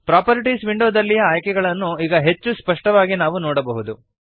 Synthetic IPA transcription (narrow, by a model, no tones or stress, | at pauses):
pɾaːpɐɾiʈisʋiɳɖoːd̪ɐlːijɐaːjkɛɡɐɭɐnːuiːɡɐɦe̞t͡ʃːuspɐʂʈɐʋaːɡinaːʋunɔːɽɐbɐɦud̪u